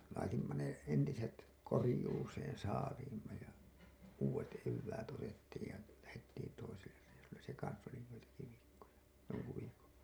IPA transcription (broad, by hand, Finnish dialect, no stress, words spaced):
lɑitimːɑ ne entiset korĭjuːseːn sɑːliːmːɑ jɑ uːwet eʋːæːt otetːiːj jɑ læhetːiːn toiselːer reisulːes se kɑns oli joitɑki ʋiːkːojɑ joŋku ʋiːkon̞